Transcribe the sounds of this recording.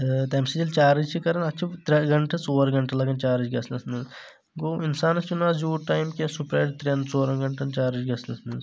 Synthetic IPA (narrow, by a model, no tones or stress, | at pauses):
t̪ɐmsid͡ʒilt͡ʃaːɾid͡ʒt͡ʃʰikɐɾɐnɐt͡ʃʰit̪ɾɐɡɐɳʈʰɐt͡soːɾɡɐɳʈɐlɐɡɐnt͡ʃaːɾid͡ʒɡɐslɐsnɐz | ɡoːinsaːnɐst͡ʃunaːzjuːʈaːjmkʲesupɾeːʈt̪ɾʲent͡soːɾɐnɡɐɳʈɐnt͡ʃaːɾid͡ʒɡɐslɐsnɐz